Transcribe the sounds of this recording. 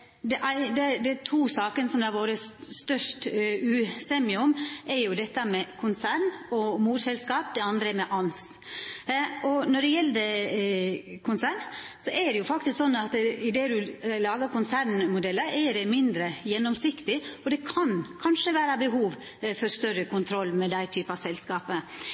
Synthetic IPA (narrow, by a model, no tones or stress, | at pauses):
d̪ɛʔæɪd̪ɛd̪ɛt̪ʰuːsɑːkənəsɔmd̪ɑʋoːɾəst̪œʂʈʉːsɛːmɪʊmʔɛɾjʊd̪ɛt̪ːəmɛkʰʊnsæɾnɔmuːt̪sɛlskɑːp̚d̪ɛɑnd̪ɾəɛɾmɛʔɑns | ʔɔnɔɖɛjɛlːəd̪ə | kʰʊnsæːɾɳsɔʔɛɖɛjʊfɑkt̪ɪsksɔnːɑt̪ɪd̪eːd̪ʉlɑːɡəɾkʰʊnsæɾɳmʊd̪ɛlːəɾɛɖɛmɪnd̪ɾəjɛnːɔmsɪkt̪ɪɔd̪ɛkʰɑnkʰɑnʂəʋæːɾɑbəɦuːʋ | fɔɾst̪œɾəkʰʊnt̪ʰɾɔlːmɛd̪æɪt̪ʰyːpəɑsɛlskɑːpə